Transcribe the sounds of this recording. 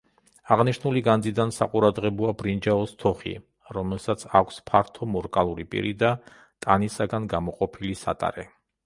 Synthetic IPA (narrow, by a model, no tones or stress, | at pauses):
aʁniʃnuliɡand̪zid̪ansa̰qʼuɾad̪ʁɛbɔabɾind͡ʒaɔst̪ʰɔχḭ | ɾɔmɛlˠsat̪sʰakʷʰspʰaɾt̪ʰɔmɔɾkʼalˠuɾipʼḭɾid̪a | t̪ʼanisaɡanɡamɔqʼɔpʰilisa̰t̪ʼa̰ɾɛ